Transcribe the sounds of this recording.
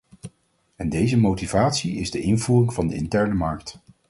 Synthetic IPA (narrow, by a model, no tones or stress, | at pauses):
ɛndejzəmowtivaːtsiɪzdəʔɪnvuːrɪŋvɑndəɪ̰ntɛɹnəmɑɹk̚t